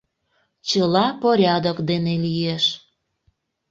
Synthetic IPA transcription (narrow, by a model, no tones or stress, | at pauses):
t͡ɕəlɑpoɾʲɑd̪okd̪enelijeʃ